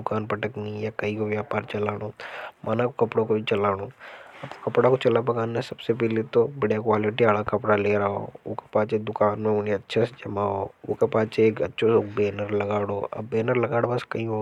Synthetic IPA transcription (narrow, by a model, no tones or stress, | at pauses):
ʊkaːnpɐʈəknĩjakɐĩkoʋjaːpaːɾt͡ʃɐlaːɽõːmʔaːnakokɐpɽõkobʱit͡ʃɐlaːɽõːɐbkɐpɽakot͡ʃɐlap̬ɐkaːnesɐbsep̬ɛːlet̪obɐɽjakwaːlɪʈiaːɭakɐpɽaleːɾaao̰ːoke̥paːt͡ʃed̪ʊkaːnmẽʊneɐtːʃʰased͡ʒɐmaɦoːo̰ːkepaːt͡ʃeeːkɐ̰tːʃʰosoːkbeːnəɾlɐɡaːɽoːʔɐ̰bːeːnəɾlɐɡaːɽobɐskɐĩɦo